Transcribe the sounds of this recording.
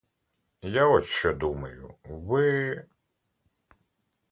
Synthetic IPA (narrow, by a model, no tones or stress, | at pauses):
jaɔʃt͡ʃɔd̪umɐjʊʋɪ